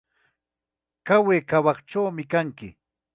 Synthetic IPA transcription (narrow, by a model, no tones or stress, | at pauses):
kaweːkawɑχʈ͡ʂawmɪkaŋkɪ